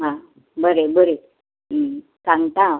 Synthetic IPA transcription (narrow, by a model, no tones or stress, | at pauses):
ɦã | bəɾebəɾe | kaŋt̪ãw